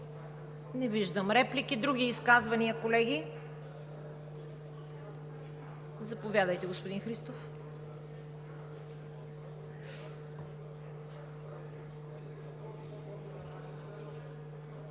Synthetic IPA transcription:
nɛviʒd̪əmɾɛplikid̪ɾuɡ̟iːskazvɐniəkolɛɡʲi | zɐpovʲjad̪əjt̪ɛɡospod̪inxɾist̪of

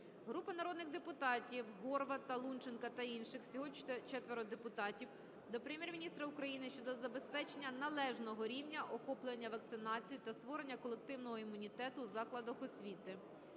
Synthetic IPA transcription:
ɦɾupɐnɐɾɔd̪nɪɣd̪epʊt̪ɑtʲiwɦɔrʋɐt̪ɐlˠunt͡ʃenkɐt̪ɐinʃɪxwsʲɔɦɔʃɛt͡ʃɛt̪ʋeɾɔd̪epʊt̪ɑtʲiw | d̪ɔpɾemʲjɛrmʲinʲist̪ɾɐukɾɐjinɪʃt͡ʃɔd̪ɔzɐbe̞spɛt͡ʃenʲːɐnɐlˠɛʒnɔɦɔɾʲiwnʲɐʔɔxɔplˠenʲːɐʋɐk̚t̪sɪnɑt͡sʲijit̪ɐst̪ʋɔɾe̞nʲːɐkɔlˠek̚t̪ɪwnɔɦɔimʊnʲit̪ɛt̪ʊzɑklˠɐd̪ɐxɔsʲʋʲit̪ɪ

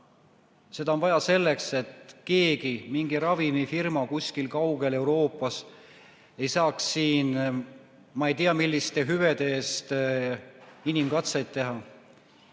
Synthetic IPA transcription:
se̞d̪ɑonvɑjɑse̞lːekse̞t̪ke̞ːɡimiŋɡ̥iɾɑvimifirmɑkusʲkilkɑwɡe̞le̞wɾo̞ːpːˑɑs | e̞jsɑːksːiːn | mɑejt̪iɑmilʲːist̪e̞ɦyved̪̥e̞ːst̪ | inimkɑt̪sejd̪̥̚t̪ːe̞ɦɑ

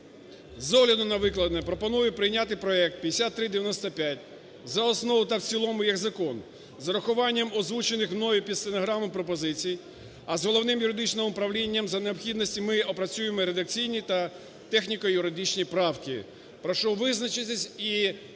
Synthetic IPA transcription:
zɔɦlʲɐd̪ʊnɐʋɪklˠɐd̪nɛpɾɔpɔnujɛpɾɪjnʲat̪ɪjpɾɔɛk̚t̪̚pʲjd̪esʲat̪ːɾɪd̪eʋʲjɐnɔst̪ɐpʲjat̚ʲ | zɐɔsnɔʋʊt̪ɐwt͡sʲilˠɔmʊjiɣzɐkɔn | zɐɾɐxʊʋɑnʲːɐmɔzʋut͡ʃenɪxwnɔʋʲipʲid̪st̪enɔɦɾɑmɔmpɾɔp̬ɔzɪt͡sʲiji | ɐzɦɔlˠɔwnɪmjʊɾɪd̪ɪt͡ʃnɔmʊpɾɐʋlʲinʲːɐmzɐneɔpxʲid̪nɔsʲtʲimɪɔpɾɐt͡sʲujemɔɾed̪ɐk̚t͡sʲijnʲit̪ɐ | t̪ɛxnʲikɔjʊɾɪd̪ɪt͡ʃnʲipɾɑwkɪ̰ | pɾɔʃɔʋɪznɐt͡ʃɪt̪ʲɛsʲi

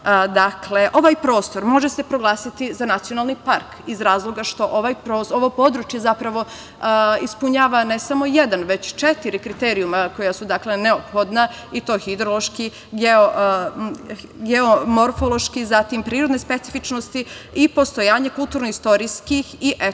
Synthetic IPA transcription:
d̪akle̞ʔo̞ʋaːjpɾo̞ːst̪o̞ɾmo̞ʒesepɾo̞ɡlˠaːsit̪izanat̪sijo̞nalˠnipaɾkizɾaːzlˠo̞ɡaʃt̪o̞ʔoʋajpɾoːsoʋo̞po̞d̪ɾut͡ʃjezapɾaʋo̞ | ispuɲaːʋanesamo̞jed̪anʋe̞t͡ɕt͡ʃet̪iɾikɾit̪eːɾijumako̞jasud̪akle̞neopxo̞d̪na | it̪o̞ːxid̪ɾolˠo̞ʃki | ɡeo | ɡeomo̞ɾfolˠo̞ʃkizat̪impɾiːɾod̪nespe̞t̪sifit͡ʃno̞st̪iipo̞st̪o̞jaːɲekulˠt̪uːɾnoist̪o̞ɾijskixiʔe

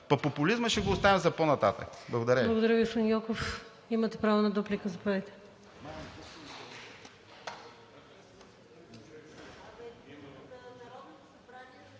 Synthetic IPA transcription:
pɐpopʊlizməʃɛɡoːst̪anɛzɐponɐt̪at̪ə̰kblˠɐɡod̪ɐɾɛlˠɐɡod̪ɐɾjəviʊsɐnjɔkof | imɐt̪ɛpɾavonɐd̪uplikəzɐpɐɾit̪ɛ̥ | ɐbɾa

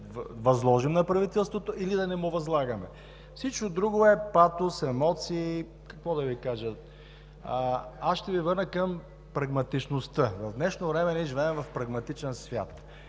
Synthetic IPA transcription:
vɐzlˠɔʒimnɐpɾɐvit̪ɛlˠst̪vot̪oilid̪ɐnɛmʊvɐzlˠaɡɐmɛ | fsit͡ʃkod̪ɾuɡoɛpat̪ʊsɛmɔt̪siː | kɐkvɔd̪ɐvikaʒə | asʃt̪ɛvivəɾnəkəm | pɾɐɡmɐt̪it͡ʃnost̪əvɐvd̪nɛʃnovɾɛmɛnɛʒivɛːmvɐfpɾɐɡmɐt̪it͡ʃɛnsvʲja̰t̪

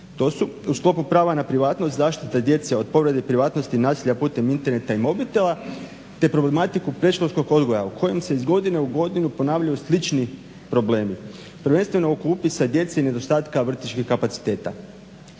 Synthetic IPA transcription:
t̪o̞ːsuusklˠo̞pupɾaːʋanapɾiʋaːt̪nost̪zaːʃt̪it̪ad̪je̞t̪seo̞d̪̚po̞ʋɾe̞d̪epɾiʋaːt̪no̞st̪inaːsiʎapuːt̪e̞mint̪e̞ɾne̞t̪aimo̞bit̪elˠa | t̪e̞pɾo̞ble̞mat̪ikupɾe̞ʃlosko̞ɡo̞d̪ɡo̞ja̰ukʰo̞je̞mse̞izɡo̞d̪ine̞uɡo̞d̪inupo̞naːʋʎajuslit͡ʃni | pɾo̞ble̞ːmi | pr̩ʋe̞nst̪ʋe̞no̞ukupisad̪je̞t̪se̞ine̞d̪o̞st̪aːt̪kaʋr̩t̪it͡ʃkikapat̪si̥t̪e̞ːt̪a̰

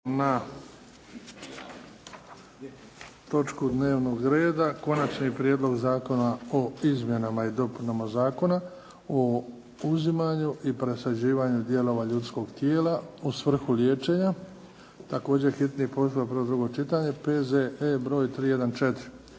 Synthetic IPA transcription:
na | t̪o̞t͡ʃkud̪ne̞ːʋno̞ɡɾe̞ːd̪ako̞nat͡ʃnipɾjeːd̪lˠo̞ɡzaːko̞naoizmje̞namaid̪o̞punamazaːko̞na | o | uzimaɲuʔipɾe̞sad͡ʑiːʋaːɲud̪je̞lo̞ʋaʎut̪sko̞ɡt̪jeːlausʋr̩xuljeːt͡ʃe̞ɲa | t̪ako̞ːd͡ʑe̞xit̪nipo̞sujapɾod̪ɾuɡo̞t͡ʃit̪aɲe̞pezeʔebɾo̞ːjt̪ɾiːje̞d̪ant͡ʃet̪iɾi

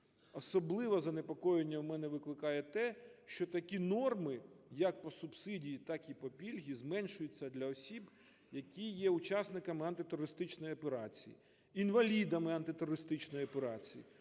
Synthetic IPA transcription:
ɔsɔblˠɪʋɐzɐnepɔkɔjenʲːɐwmɛnɛʋɪklˠɪkɑjɛt̪ɛʃt͡ʃɔt̪ɐkʲinɔrmɪjɐk̚pɔsʊbsɪdʲijit̪ɑkipɔpʲilʲɦʲizmɛnʃʊjʊt͡sʲːɐd̪lʲɐɔsʲib | jɐkʲijɛʊt͡ʃɑsnɪkɐmɪɐnt̪ɪt̪ʊɾɔɾɪst̪ɪt͡ʃnɔjiɔpeɾɑt͡sʲḭjḭ | inʋɐlʲid̪ɐmɪɐnt̪ɪt̪ʊɾɔɾɪst̪ɪt͡ʃnɔjiɔpeɾɑt͡sʲijḭ

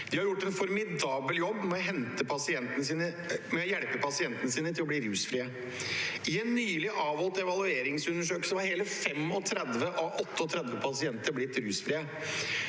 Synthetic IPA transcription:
d̪̥ɪhɑɾjʊʈːɛnfɔɾmɪd̪ɑːbəljɔbːmɛɔɦɛnt̪əpʰɑsɪɛnt̪ənəsiːnə | mɛɔjɛɽpəpʰɑsɪɛnt̪ənəsiːnət̪ʰɪlɔbɽiːɾʉːsfɾiːə | ɪɛnːyːlɪʔɑːʋɔlt̪ɛʋɑlˠʉeːɾɪŋsʉnəʂøːkəsɔʋɑɾheːləfɛmɔt̪ʰɾɛd̪ʋəʔɔʔɔt̪ːəɔt̪ʰɾɛd̪ʋəpʰɑsɪɛnt̪əɾblɪt̪ɾʉːsfɾiːə

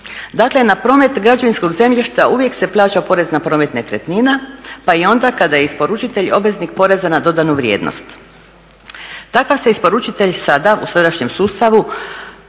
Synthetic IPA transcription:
d̪akle̞napɾo̞ːme̞t̪ɡɾad͡ʒoʋinsko̞ɡze̞mʎiʃt̪aʔuʋje̞kse̞plˠaːt͡ʃapo̞ɾe̞znapɾo̞ːme̞t̪nek̪ɾet̪ninapaio̞nd̪akad̪aje̞ispo̞ɾut͡ʃit̪e̞ʎo̞bʋe̞znikpo̞ɾe̞zanad̪o̞d̪anuʋɾje̞̰ːd̪no̰st̪ | t̪akaʋseispo̞ɾut͡ʃit̪e̞ʎsad̪ausad̪aʃɲe̞msuːst̪aʋu

